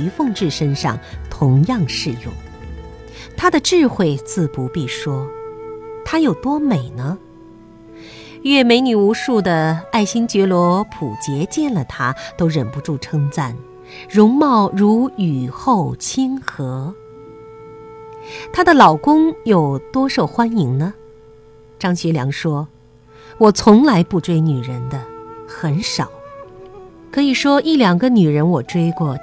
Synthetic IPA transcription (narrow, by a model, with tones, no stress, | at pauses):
y˧˥fɤ˥˧ŋʈ͡ʂɻ̩˥˩ʂə˥nʂɑ̰˥˧˩ŋt̪ʰʊ˧˥ŋjɑ˥˧ŋʂɻ̩˥˧jʊ̰˥˩ŋ | t̪ʰa˥d̪ə˨ʈ͡ʂɻ̩˥˧xwe˥˧ɪt͡sɹ̩˥˩pu˧˥pi˥˩ʂwɔ˥ | t̪ʰa˥jo˨˩ʊt̪wɔ˥me˨˩ɪnə˦ | ɥɛ˥˩me˧˥ɪny˨˩u˧˥ʂu˥˩d̪ə˩a˥˩ɪɕi˥ŋt͡ɕɥɛ˧˥lwɔ˧˥pʰu˨˩t͡ɕjɛ˧˥t͡ɕjɛ˥˩nlə˩t̪ʰa˥t̪o˥ʊɻə˨˩npu˧˥ʈ͡ʂu˥˩ʈ͡ʂʰɤ˥ŋt͡sa˥˩n | ɻʊ˧˥ŋmɑ˥˩ʊɻu˧˥y˨˩xo˥˩ʊt͡ɕʰi˥nxɤ˧˥ | t̪ʰa˥d̪ə˨lɑ˨˩ʊkʊ˥ŋjo˨˩ʊt̪wɔ˥ʂo˥˨˩ʊxwa˥ni˧˥ŋnə˧ | ʈ͡ʂɑ˥ŋɕɥɛ˧˥ljɑ̰˧˥ŋʂwɔ˥ | wɔ˨˩t͡sʰʊ˧˥ŋla˧˥ɪpu˥˧ʈ͡ʂwe˥˩ɪny˨˩ɻə˧˥nd̪ə˧xə˧˥nʂɑ˨˩˦ʊ | kʰɤ˧˥i˨˩ʂwɔ˥ʔi˥˩ljɑ˨˩ŋɡə˦ny˨˩ɻə˧˥nwɔ˨˩ʈ͡ʂwe˥ɪkwɔ˥˩